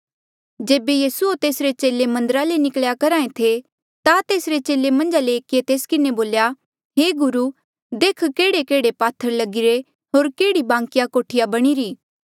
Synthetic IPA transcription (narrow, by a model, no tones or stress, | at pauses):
d͡ʒeːbejiːsuot̪eːsɾet͡ʃeːlemɐ̃nd̪əɾalenɪkɭjakɐɾãːẽt̪ʰe | t̪at̪eːsɾet͡ʃeːlemɐ̃nd͡ʒaleːkiet̪eːskɪneboːlja | ɦeːɡʊɾu | d̪eːkʰkeːɽekeːɽepaːt̪ʰːəɾlɐɡɪɾe | ɦoːɾkeːɽibãːŋkɪjakoːʈʰɪjabɐɽ̃iɾiː